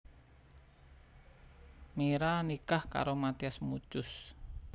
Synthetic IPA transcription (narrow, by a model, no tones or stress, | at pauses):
meɾanikahka̰ɾomat̪iasmut͡ʃʊs